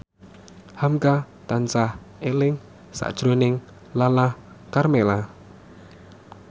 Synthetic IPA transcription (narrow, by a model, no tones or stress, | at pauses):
hamka | t̪ansah | ʔelɪŋ | sa̰ʔd̥ʒ̥ɾonɪŋ | lalah | karmela